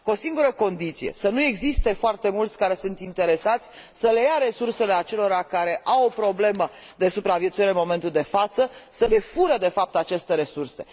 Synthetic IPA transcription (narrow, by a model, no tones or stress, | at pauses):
ko̞siŋɡuɾəko̞nd̪it̪sije̞̰sənue̞ɡzist̪e̞foart̪e̞mult̪sʲkaɾe̞sunt̪int̪e̞ɾe̞sat̪sʲ | səle̞jaɾe̞surse̞le̞at͡ʃe̞lo̞ɾakaɾe̞ʔawopɾo̞ble̞mə | d̪e̞supɾavjet̪suiɾeɨnmo̞me̞nt̪uld̪e̞fat̪səsəle̞fuɾəd̪e̞fap̚t̪at͡ʃe̞st̪e̞ɾe̞surse̞̰